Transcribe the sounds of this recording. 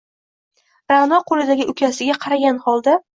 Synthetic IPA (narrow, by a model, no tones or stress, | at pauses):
ɾanɒqʰolɪd̪aɡʲɪʔʊkʲʰasɪɡʲaqʰɑɾaɡʲanhɒlˠd̪a